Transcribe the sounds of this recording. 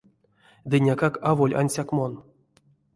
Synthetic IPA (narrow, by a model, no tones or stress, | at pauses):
d̪ɨnʲakakavolʲʔa̰nʲsʲakmon